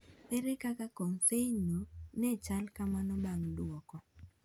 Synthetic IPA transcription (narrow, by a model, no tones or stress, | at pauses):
peɾekakakonsenonɛt͡ʃalkamanɔbaŋdwɔkɔ